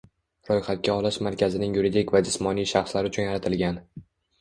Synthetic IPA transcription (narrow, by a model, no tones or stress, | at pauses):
ɾɒjχat̪̚kʲaɒlaʃmaɾkʲʰazɪnɪŋjuɾid̪ikʲvad͡ʒɪsmɒnijʃaχslaɾɪʊt͡ʃʰʊnjaɾat̪ʰɪlɡʲan